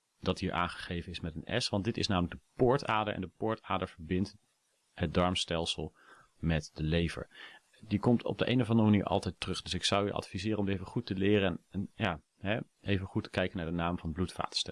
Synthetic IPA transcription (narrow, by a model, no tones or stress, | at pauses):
d̥ɑtɦiːɹʔa̰ːnχə̥χejvənɪsmɛtənɛ̰sʋɑntdɪtɪ̰snaːmələɡ̚dəpʊːɹtaːdəɹʔɛ̰ndəpʊːɹtaːdəɹv̥əɹbɪnt | ɦət̚dɑɹmstɛlˠsəlˠ | mɛtdəlejvə̰ɹ | dikɔmtʰɔ̰b̚dəʔejnəvɑndəmaniːɹʔɑ̰lˠtɛjtrɵχd̥ɵsɪksʌwjəʔɑ̰tfizɪːrənɔmdejvəχutəlɪːɾənjaː | ɦɛ | ʔejvənχutːə̥kɛjkənaːɹdənaːmvɑnblutfa̰ːtə̥stɛ